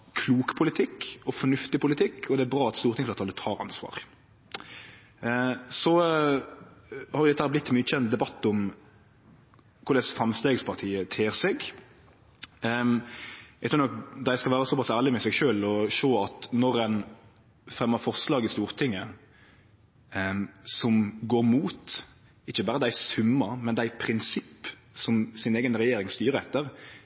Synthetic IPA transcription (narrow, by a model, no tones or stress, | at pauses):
kʰluːkpʰʊlɪt̪ʰɪkːɔfɔɳʉft̪ɪpʊlɪt̪ʰɪkːʰɔd̪ɛæbɾɑːɑt̪st̪uːɾt̪ʰɪŋəplɑt̪ʰɑlət̪ʰɑːɾɑ̰nsʋɑ̰ːʁ | sɔ | hɑɾjʊd̪ɛt̪əhæːɾblɪt̪ːmyːəc͡çʰɛnt̪̚d̪ɛbɑt̪ːʊm | kʰʊɾd̪ɛsfɾɑmst̪eːɡspʰɑʁt̪ʰiːət̪ʰeːɾsɛɡ | ʔɛɡt̪ʰʉɾnɔk̚d̪æɪskɑʋæːɾəsɔpɑsæːʁlɪmɛsɛɡʃøːlɔʃoːɑt̪nɔɾɛn | fɾɛmːəɾfɔʁslɑːɡɪst̪uːɾt̪ʰɪŋːə | sɔmɡoːɾmuːt̪ | ɪçːəbɑːɾəd̪æɪsʉmːəɾmɛnd̪æɪpʰɾɪnsɪpː | sɔmsɪneːɡənɾɛjeːɾɪŋst̪yːɾəɛt̪ːəɾ